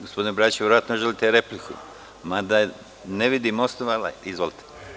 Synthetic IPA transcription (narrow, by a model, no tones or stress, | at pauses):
ɡospod̪inobɾaːt͡ʃʋʲjeɾo̞jat̪noʒelit̪eɾeplikʰṵ | mad̪a | neʋid̪imosnoʋala̰izʋolit̪ʰe̥